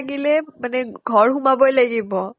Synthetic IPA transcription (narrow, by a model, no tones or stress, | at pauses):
ɡilemanɛɡʱɔɹɦumabɔjlaɡibɔ